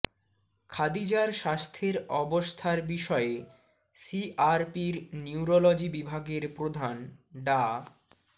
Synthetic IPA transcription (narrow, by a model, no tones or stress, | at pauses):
kʰad̪id͡ʑaɾʃast̪ʰeɾɔbost̪ʰaɾbiʃɔe | siʔaɾpiɾniuɾolod͡ʑibibʱaɡeɾpɾod̪ʱanɖa